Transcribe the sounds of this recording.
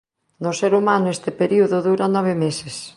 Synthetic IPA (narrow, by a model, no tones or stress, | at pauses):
nʊseɾumanʊest̪ɪpeɾiuðʊðuɾanɔβ̞ɪmeses